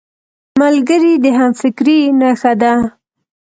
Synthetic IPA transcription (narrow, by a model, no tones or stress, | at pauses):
malɡəɾid̪əɦamfɪkɾinaxad̪a